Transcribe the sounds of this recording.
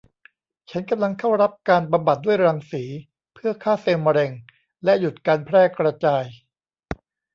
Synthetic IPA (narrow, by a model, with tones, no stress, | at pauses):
t͡ɕʰa˦˥nka˧mla˧ŋkʰa˥˩wɾa˦˥p̚kaː˧nba˧mba˨˩t̪̚d̪u˥˩əjɾaː˧ŋsiː˩˦ | pʰɯ˥˩ɐkʰaː˥˩seː˧ma˧ɾe˧ŋ | lɛ˦˥ju˨˩t̪̚kaː˧npʰɾɛː˥˩kɾa˧t͡ɕaː˧j